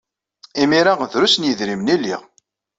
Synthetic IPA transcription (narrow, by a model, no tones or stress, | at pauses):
imiɾaʁðɾusnjəðɾimnilːiʁ